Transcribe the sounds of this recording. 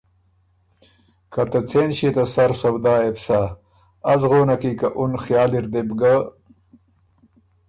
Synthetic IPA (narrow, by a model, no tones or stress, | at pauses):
kɐt̪ɐt͡sʰeːnɕit̪ɐsɐɾsɐbd̪aːebsaː | zɣoːnɐkikɐʔunxjaːliɾd̪ebɡa